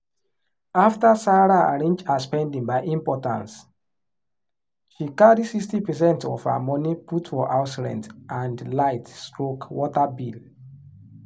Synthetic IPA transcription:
aftasaɹaa̰ɹẽnd͡ʒaspɛ̃ndĩŋbaɪʔĩmpɔtã̰ns | ʃikaɹisikstipɛs̬ɛ̃ntɔ̰fə̰mɔniputfɔʔaʊslɛ̰̃ntʔãndlaɪtstɹokwɔtabil

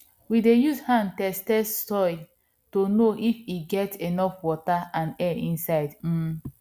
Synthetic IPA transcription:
widejuzhãntɛstɛstɔj | tonoʔifiɡɛtenɔfwɔtaãnɛĩnsaɪdm̩

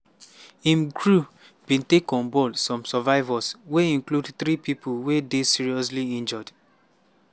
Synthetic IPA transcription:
ĩmɡɹu | b̥ĩntekɔ̃nbɔlsɔ̃msavaɪvasweĩŋkludθɹipipʰuwedesiɹiɔsliĩnd͡ʒɔd

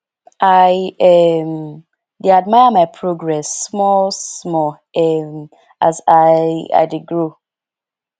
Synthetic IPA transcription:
ʔajɛm | deadmaɪəmaɪpʰɹoɡɹɛsːmɔsmɔ | ɛm | azaa̰ɪdɪɡɹo

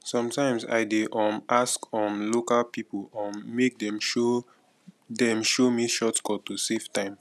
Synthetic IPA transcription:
sɔ̃mtãɪ̃msa̰ɪdeʔɔ̃mʔaskɔ̃mlokalpipolɔ̃nːek̚dɛ̃mʃo | dɛ̃mʃomiʃɔtkɔtuseftãɪ̃m

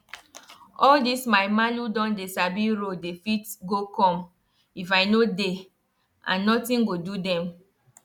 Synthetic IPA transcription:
ɔldismaɪmaludɔ̃ndesabiɹodefitɡokɔ̃m | ifaɪnode | ã̰nːɔtĩnɡodudɛ̃m

